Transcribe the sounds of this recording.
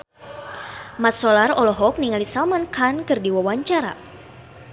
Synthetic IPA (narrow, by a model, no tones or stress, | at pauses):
mat̪̚sɔlarɔlɔɦɔk̚niŋalisalmankʰankɨrdiwawaɲt͡ʃaɾa̰